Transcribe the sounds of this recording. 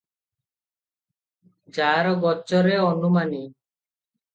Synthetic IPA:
d͡ʒaɾɔɡɔt͡ʃɔɾeɔnumani

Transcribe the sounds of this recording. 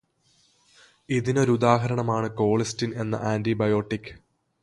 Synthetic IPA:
iðino̞ːɾud̪aːɦɐɾɐɳɐmaːɳɨko̞ːɭistine̞nːɐ̰ʔaːndibɐjo̞ːʈːikːɨ̥

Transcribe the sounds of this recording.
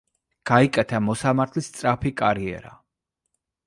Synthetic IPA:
ɡ̥aikʼɛt̪ʰamɔsamaɾt̪ʰlist̪sʼɾapʰikʼaɾiɛ̰ɾa̰

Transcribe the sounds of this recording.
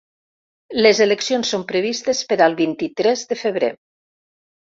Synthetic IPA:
lezeleksionsːompɾəβist̪espəɾalˠβint̪it̪ɾɛzðəfəβɾe

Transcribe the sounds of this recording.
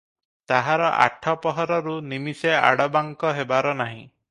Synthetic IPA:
t̪aɦaɾɔʔa̰ʈʰɔpɔɦɔɾɔɾunimisea̰ɽɔbaŋkɔɦebaɾɔnaɦĩ

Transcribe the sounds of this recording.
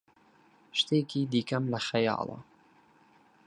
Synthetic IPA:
ʃt̪eːkiːd̪iːkɐmlɐxɐjɑ̰ːlˠɐ̰

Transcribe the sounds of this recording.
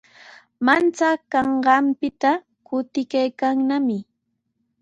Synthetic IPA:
mant͡sakɑɴɢɑmpɪt̪a | kʊt̪ɪkajkaŋnamɪ

